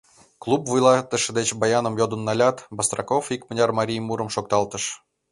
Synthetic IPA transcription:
klˠupvujlˠɑt̪ə̆ʃə̆d̪et͡ɕbɑjɑnə̆mjod̪ə̆nːɑlʲɑt̪bɑst̪rɑkofikmə̆nʲɑrmɑɾʲijmuɾə̆mʃok̚t̪ɑlˠt̪ə̆ʃ

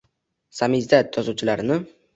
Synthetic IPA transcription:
samizd̪ad̪̚jɒzuwt͡ʃʰɪlaɾnɪ

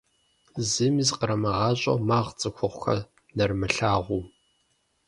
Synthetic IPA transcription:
zɨmizqəɾɐmɐʁɑːɕʼɐ̰maːʁt͡sʼɨxʷʰʊχʷxɐ̰ | nɐrmɨɬaːʁʷuː

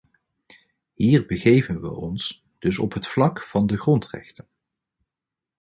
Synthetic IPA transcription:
ɦiːɹbəɣejvənʋə̰ʔɔns | d̥ɵsɔ̰pɦətflɑkfɑndəχrɔntrɛ̰χtən

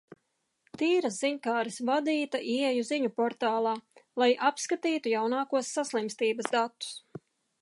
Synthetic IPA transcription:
t̪iːɾasziɲkaːɾisvad̪iːt̪aʔiɛjuziɲupɔɾt̪aːlˠɑːlˠajʔapskat̪iːt̪ujawnaːkuɔsːaslˠimst̪iːbɐsd̪at̪ːu̥s

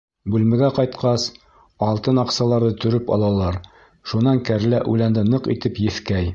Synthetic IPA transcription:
bʉlmɘ̆ɡæqɒjt̪qɑs | ɒlˠt̪ɤnɒqsɑlˠɑɾðɤt̪ɵ̆ɾɘpɒ̰lˠɑlˠɑɾ | ʃunːɑŋkæɾlæʔʉlænd̪ɘnɤqḭt̪ɘpjɘ̆θkæj

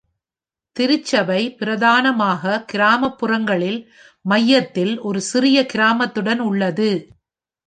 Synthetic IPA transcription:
t̪ɪɾɪt͡ʃːɐʋɐɪpɪɾɐðaːnɐmaːɣɐkɪɾaːmɐpːʊrɐŋɡɐɭɪl | mɐjːɐt̪ːɪlʔɔɾɯsɪɾɪjɐkɪɾaːmɐt̪ːɯɽɐnʊɭːɐðɯ

